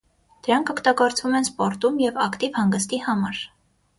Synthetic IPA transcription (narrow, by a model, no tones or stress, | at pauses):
d̪̥əɾɑŋkʰɔkʰt̪ɑɡɔɾt͡sʰvumɛnspɔɾt̪umjɛvɑkt̪ivhɑŋɡəst̪ihɑmɑɾ